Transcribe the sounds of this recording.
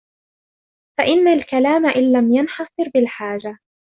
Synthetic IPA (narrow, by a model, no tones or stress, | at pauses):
faʔɪnːalkalaːmaʔɪnːamjanħɑsˤɨɾbɪlħaːd͡ʒa